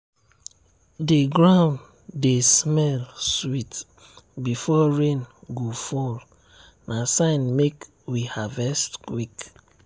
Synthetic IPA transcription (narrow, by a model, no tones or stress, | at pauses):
deɡɾãn | desmɛlswit | bifɔɹẽnɡofɔl | nʔasãɪ̃nmek | wihavɛstkwik